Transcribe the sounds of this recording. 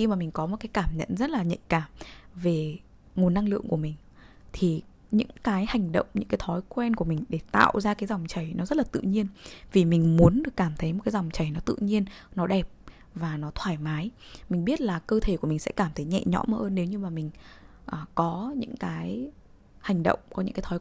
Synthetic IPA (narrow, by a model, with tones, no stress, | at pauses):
xi˧maː˨˩mi˨˩ŋ̟kɔ˨˦mo˨˩t̚kaː˨˦jkaː˧˩mɲə̰˧˨nzə˦˥t̚laː˨˩ɲə̰˧˨jkaː˧˩mve˨˩ | ŋ˨˩ənːa˧ŋlɨ̰˧˨əŋku˧˩əmï˨˩ŋ̟ | t̪ʰi˨˩ | ɲɨ̰˧˥ŋkaː˨˦jha˨˩jŋ̟ɗə̰˧˨wŋ͡mɲɨ̰˧˥ŋkaː˨˦jt̪ʰɔ˨˦jkwɛ˧nku˧˩əmï˨˩ŋ̟ɗe˧˩t̪a̰ː˧˨wzaː˧kaː˨˦jza˨˩wŋ͡mt͡ɕə˨˩jnɔ˨˦zə˦˥t̚laː˨˩t̪ɨ̰˧˨ɲi˧ənvi˨˩mï˨˩ŋ̟mu˨˦ənɗɨ˨˩əkːaː˧˩mt̪ʰə˨˦jm˨˩t̚kaː˨˦za˨˩wŋ͡mt͡ɕə˨˩jnɔ˨˦t̪ɨ̰˧˨ɲi˧ənnɔ˨˦ɗɛ˨˩p̚ | vaː˨˩nɔ˨˦t̪ʰwaː˧˩jmaː˨˦jmi˨˩ŋ̟ɓi˦˥ət̚laː˨˩kəː˧t̪ʰe˧˩ku˧˩mi˨˩ŋsɛ̰˧˥kaː˧˩mt̪ʰə˨˦jɲɛ̰˧˨ɲɔ̰˧˥məː˧˦ʔəː˧nːe˨˦wɲɨ˧maː˨˩mï˨˩ŋ̟ʔəː˨˩kɔ˨˦ɲɨ̰˧˥ŋkaː˨˦j | ha˨˩jŋ̟ɗə̰˧˨wŋ͡mkɔ˨˦ɲɨ̰˧˥ŋkːaː˨˦jt̪ʰɔ˨˦